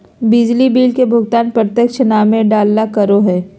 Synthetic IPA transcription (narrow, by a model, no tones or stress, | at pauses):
bɪd͡ʒlibiːlkebʱʊɡt̪aːnpɾət̪jəkʃənaːmẽɖaːlnakɐɾoɦɛː